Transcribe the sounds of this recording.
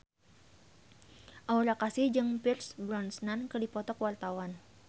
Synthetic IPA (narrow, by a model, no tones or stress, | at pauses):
ʔaulakasihd͡ʒɨŋpirsbɾɔnsnankərdipɔt̪ɔkwart̪awan